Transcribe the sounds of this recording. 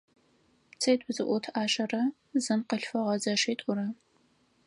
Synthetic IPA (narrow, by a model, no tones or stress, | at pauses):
t͡sʰɐjtʼʊzɨʔʷʊtʰaːɕɐrɐ | zɨmqəɬfɐʁɐzɐʂeːtʼʊrɐ